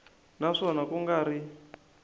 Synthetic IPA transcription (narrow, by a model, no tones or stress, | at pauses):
naʂɔnakuŋɡaɾi